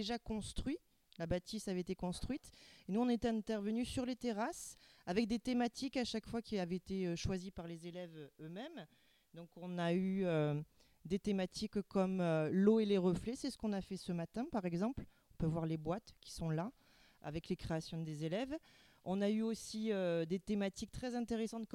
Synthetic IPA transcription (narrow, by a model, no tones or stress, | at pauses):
eʒakɔ̃st̪χɥi | labat̪isavɛet̪ekɔ̃st̪χɥit̪enuɔ̃net̪ɛɛ̃t̪ɛʁvənysyʁlet̪eʁasavɛk̚d̪et̪emat̪ʰikaʃakfwakʲiavɛet̪eøʃwazipaʁlezelɛvøømɛm | d̪ɔ̃kɔ̃nayø | d̪et̪emat̪ʰikkːɔmøloeleʁəflɛsɛsə̥kɔ̃nafɛsəmat̪ɛ̃paʁɛɡzɑ̃pl | ɔ̃pøvwaʁlebwat̪kʲi̥sɔ̃la | a̰vɛklekχeasjɔ̃d̪ezelɛv | ɔ̃nayosiød̪et̪emat̪ik̚t̪χɛzɛ̃t̪eʁesɑ̃t̪̚